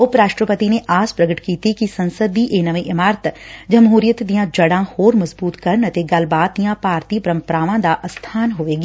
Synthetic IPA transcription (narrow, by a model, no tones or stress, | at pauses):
ʊpɾaːʃʈɾəpət̪ineʔaːspɾɐɡəʈkiːt̪ikisɐ̃nsəd̪iʔeːnɐʋẽʔɪmaːɾt̪d͡ʒɐmɦuːɾɪjət̪d̪ijãd͡ʒɐɽãhoːɾmɐzbuːt̪kɐɾnɐt̪eɡɐlbaːt̪̚d̪ijãpaːɾt̪ipɐɾə̃mpəɾaːʋãd̪aʔɐst̪ʰaːnɦoːʋeːɡː